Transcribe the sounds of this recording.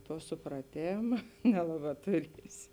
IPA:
ˈtuɔ sʊprɐˈtʲeːmɐ ˈnʲæːlˠɐˌbɑː tʊˈrʲiɛsʲɪ

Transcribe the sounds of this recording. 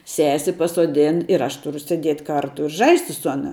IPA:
ˈsʲæːsʲɪ pɐsuɔˈdʲɪn ɪr ˈɐʃ tʊˈrʊ sʲeːˈdʲiɛtʲ ˈkɐrtʊ ɪ ˈʒɐɪsʲtʲɪ sʊ ˈɑːnɐ

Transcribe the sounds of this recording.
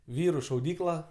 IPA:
ˈʋʲiːrʊ ʃɐʊˈdʲiːklˠɐ

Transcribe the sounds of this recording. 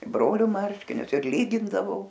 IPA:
ɪ ˈbroːlʲʊ ˈmɐrʲʃʲkʲɪnʲʊs ɪr ˈlʲiːɡʲɪndɐʋɐʊ

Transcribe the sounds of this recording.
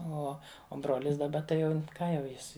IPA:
ˈoː oː ˈbroːlʲɪs dɐˈbɐ tɐɪ ˈjɛʊ ˈkɑː jɛʊ ˈjɪs

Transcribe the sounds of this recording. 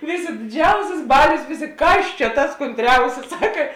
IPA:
ˈʋʲeːˌsʲeː dʲɪˈd͡ʒʲɛʊsʲɪs ˈbɑːlʲoːs ˈʋʲeːˌsʲeː ˈkɐs t͡ʃʲɛ tɐs koːnʲˈtʲrʲɛʊsʲɪs ˈsɑːkɐ

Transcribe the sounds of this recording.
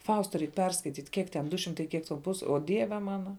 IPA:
ˈfɐʊstɐ ˈrʲɛɪk ˈpʲɛrskɐɪtʲiːtʲ ˈkʲiɛk tʲɛn ˈdʊ ˈʃʲɪmtɐɪ ˈkʲiɛk tʲɛn ˈpʊs oː ˈdʲiɛʋʲɛ ˈmɑːnɐ

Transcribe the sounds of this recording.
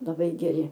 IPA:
lˠɐˈbɐɪ ɡʲɛˈrʲɪ

